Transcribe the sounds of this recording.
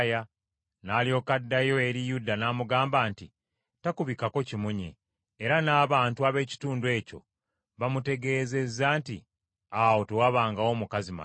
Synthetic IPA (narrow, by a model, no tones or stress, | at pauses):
ja | naːljo̞ːkadːajo̞e̞ɾijudːanaːmuɡaːmbaːnti | takuβikako̞cimuɲḛː | ɾanaːβaːntuaβe̞ːci̥tuːndue̞ːco̞̰ | βamute̞ɡe̞ːze̞zːaːntḭ | awo̞tewaβaːŋɡawo̞mukazima̰